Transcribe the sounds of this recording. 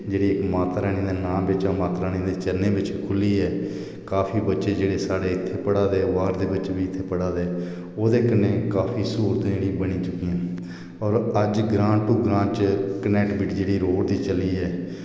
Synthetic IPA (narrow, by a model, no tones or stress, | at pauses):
d͡ʒeːɽiːɪkmaːt̪ːɾɛːɽ̃ĩːd̪eːnãːbɪt͡ʃãːmaːt̪ɾaːɽ̃ĩːd̪eːt͡ʃənẽːbɪt͡ʃkʰʊliːɛː | kaːpʰiːbətːʃeːd͡ʒeːɽeːsaːɽeːɪt̪ʰːeːpəɽaːd̪eːʋaːɾd̪eːbət͡ʃeːbiːɪt̪ʰːeːpəɽaːd̪eː | oːd̪eːkənẽːkaːpʰiːsuːɾət̪eːɽĩːbəɽ̃iːt͡ʃʊkːijãː | ɔːɾəd͡ʒɡɾãːʈuːɡɾãːt͡ʃkənɛːʈbɪʈd͡ʒeːɽiːɾoːɽd̪iːt͡ʃəliːɛː